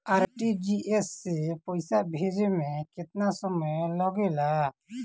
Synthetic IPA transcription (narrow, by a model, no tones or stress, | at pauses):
aɾʈid͡ʒiesːepɔjsaʔbʱed͡ʒemeket̪nasɔmɔlɔɡela